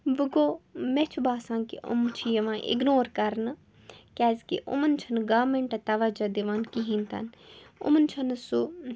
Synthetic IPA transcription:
ʋəɡoːmɛt͡ʃʰubaːsãːŋkiʔʊ̰mt͡ʃʰijɐʋãːʔɪ̰ɡnoːɾkɐɾn | kɛːzkḭʔʊ̰mənt͡ʃʰənɡaːmẽɳʈɐt̪aʋad͡ʒad̪eʋãːnkiɦĩnt̪ɐ̰nʊ̰mənt͡ʃʰɐnsu

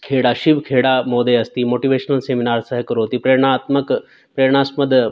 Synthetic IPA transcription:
kʰeːɽaːʃiʋkʰeːɽamoːd̪eɐst̪iːmoːʈiʋeːʃnəlseːminaːɾsɐɦkɾoːt̪ipɾeːɾɽ̃aːt̪mək | pɾeːɾɳ̃aːsməd̪

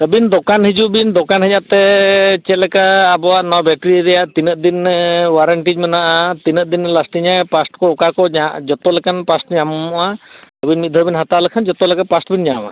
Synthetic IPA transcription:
əbind̪ɔkanhid͡ʒubind̪ɔkanɦəɲat̪ɛt͡ʃɛlɛkaːbɔwaʔnɔbjɛkɾiɾɛjaʔt̪inət̪̚d̪inwaɾəɳʈid͡ʒmanaʔat̪inəʔ̚d̪inːlasʈiɲajpasʈkɔːkakɔad͡ʒɔt̪ɔlɛkanpasʈɲamɔɔʔaəbinmit̪̚d̪ʱɔɾbinɦat̪alɛkʰand͡ʒɔt̪ɔlɛkanpasʈbinɲã̰ʔa̰

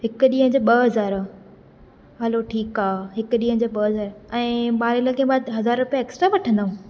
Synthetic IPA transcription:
ɦɪkɗiːɦə̃d͡ʑoːɓɐɦɐzaːɾ | ɦɐloʈʰiːkaːɦɪkɗiːɦə̃d͡ʑoːɓɐɦɐzaːɾɛ̃ːɓaːɾɪləkʰẽːɓaːd̪ɦɐzaːɾɾʊpiaeːksʈɾaʋɐʈʰə̃nd̪aːũː

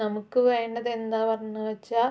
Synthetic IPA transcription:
nɐmukːɨʋeːɳɖɐðend̪aːʋɐɾnːɨʋɐt͡ɕːaː

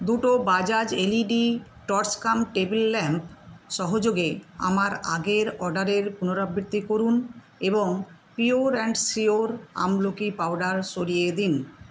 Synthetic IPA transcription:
d̪uʈobad͡ʑad͡ʑeliɖiʈɔɾskamʈebilːɛmpʃɔɦod͡ʑoɡea̰maɾa̰ɡeɾɔɾɖaɾeɾpunoɾabʱːit̪ːikoɾun | eboŋ | pioɾɛɳɖsioɾa̰mlokipawɖaɾʃoɽied̪in

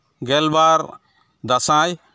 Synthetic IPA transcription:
ɡɛlbaːɾ | d̪ɐsãːj

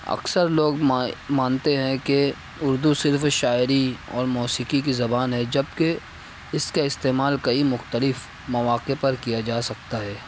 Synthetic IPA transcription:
ɐ̰ksəɾloːɡmaːnt̪eɦɛ̃ke | ʊɾd̪usɪɾfʃaːɪɾiɔ̰ːɾmɔːsiːkikizɐbaːnɦɛd͡ʒɐbke | ɪskaɪst̪eːmaːlkɐimʊxt̪əlɪf | mɐʋaːqepɐɾkijad͡ʒaːsɐk̚t̪aɦɛː

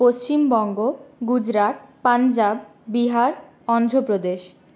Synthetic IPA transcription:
post͡ɕimbɔŋɡoɡud͡ʑɾaʈ̪̚pand͡ʑabːiɦaɾ | ɔnd̪ʱɾopɾod̪eʃ

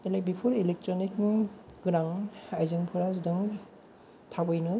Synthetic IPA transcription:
ilek̚bipʰuɾilek̚tɾonikɡɯɾaŋajzɯŋpʰuɾazdɯŋ | tʰabɯjnɯ

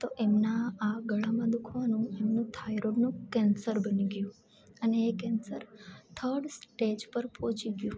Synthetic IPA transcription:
t̪oʔemnaːɡəɭamãd̪ukʰʋanũemnũt̪ʰajɾoɖnũkɛnsəɾbəniɡjũ | əneːkɛnsəɾt̪ʰəɾɖsʈed͡ʒpəɾpɔ̃t͡ʃiɡjũ

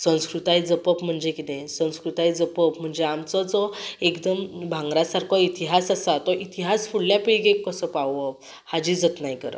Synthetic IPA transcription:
sə̃w̃skɾut̪ajd͡zəpəpm̤əɳd͡ʑekit̪ẽsə̃w̃skɾut̪ajd͡zəpəpm̤əɳd͡zeamt͡sɔt͡sɔekd̪əmbʱãŋɡɾasaɾkʰɔit̪iɦasasat̪ɔʔit̪iɦasfuɽljapiɽiɡekːəsəpawʋə | had͡ʑid͡zət̪naɦjkəɾə̰

